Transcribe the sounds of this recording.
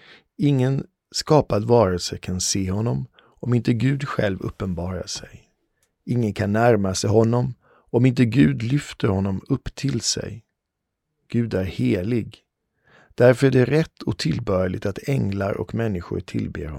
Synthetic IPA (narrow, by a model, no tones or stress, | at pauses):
ɪŋːən | skɑːpad̪vɑːɾəlsəkʰanseːhɔnːɔm | ɔmɪnt̪əɡʉ̟ːd̪ɧɛ̰lvɵ̰pːənbɑːɾa̰sɛj | ɪŋːənkʰanːæɾmasɛjɦɔnːɔm | ɔmɪnt̪əɡʉ̟ːd̪lʏft̪əɾhɔnːɔmɵpːt̪ʰɪlsɛ̰j | ɡ̥ʉ̟ːd̪æɾheːlɪɡ | d̪̥æɾfœɾɖɛæɾɛt̪ʰːɔk̚t̪ʰɪlbœlɪ̰t̪at̪ʰɛŋlaɾʔɔ̰kmɛnːɪɧʊ̰ɾʈʰɪ̰lbḛːhɔ̰